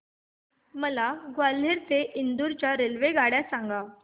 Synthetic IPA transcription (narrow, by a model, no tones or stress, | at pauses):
məlaɡwaleɾt̪eʔind̪uɾt͡ɕjaɾelʋeɡaɽjasaŋɡa